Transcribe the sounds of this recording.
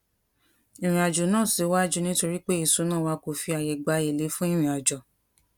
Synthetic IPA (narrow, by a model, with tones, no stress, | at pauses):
i˨ɾ̃ĩ˨a˨d͡ʒo˨nãː˦˨si˨˦wa˦d͡ʒu˦nĩ˦to˧ɾi˦k͡pe˦i˦˨so˨˦nãː˦˨wa˧ko˨fi˧a˨jɛ˨ɡ͡ba˧e˨le˨˦fũ˦i˦˨ɾ̃ĩ˨a˨d͡ʒɔ˨